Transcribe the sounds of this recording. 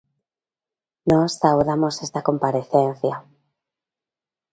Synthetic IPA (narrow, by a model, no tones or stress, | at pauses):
nostawðamo̞se̞st̪ako̞mpaɾe̞θe̞n̟θja